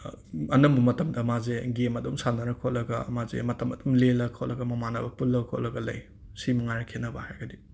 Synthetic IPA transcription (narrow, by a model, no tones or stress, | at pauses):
ɐnɐmbɐmɐtɐmdɐmazeɡemɐdumsanɐɾɐkʰoʔlɐɡɐ̰mazḛmɐtɐmɐdumlelɐkʰoʔlɐɡɐmɐmanɐbɐpulːɐkʰo̰ʔlɐɡɐlɐ̰j | simɐŋaɾɐkʰenɐbahajɡɐdi